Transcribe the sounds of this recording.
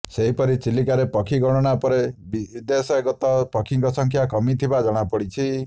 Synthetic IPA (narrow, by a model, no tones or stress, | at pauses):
seɦipɔɾit͡ʃilikaɾepɔkʰiɡɔɽ̃ɔɽ̃apɔɾebid̪esɔeɡɔt̪ɔpɔkʰiŋkɔsɔŋkʰjakɔmit̪ʰibad͡ʒɔɽ̃apɔɽit͡ʃʰi